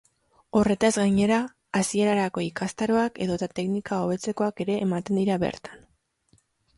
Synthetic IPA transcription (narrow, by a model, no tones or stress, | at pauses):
o̞re̞t̪azɡaɲe̞ɾaː | sie̞ɾaɾako̞ikast̪aɾo̞ake̞ðo̞t̪at̪e̞knikao̞βe̞t͡se̞ko̞ake̞ɾe̞ʔːmat̪end̪iɾaβe̞̰ɾt̪ḁn